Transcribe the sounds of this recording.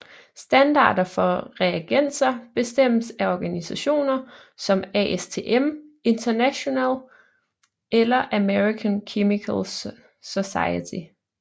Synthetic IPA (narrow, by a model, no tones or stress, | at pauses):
sd̥ænd̥ɑ̰̈ːd̥ɐfɒ̽ʁɛæɡ̥en̰sɐb̥e̝sd̥em̰əsæɒɡ̥ænisæɕo̝̰ːnɐ | sɒ̽mæʔest͡sʰe̝ːʔeme̝nt͡sʰɐnæɕo̝nɛ̰ːl | elɐʔæmeʁikʰænkʰemikʰæls | so̝sɑ̈ɪət͡sʰi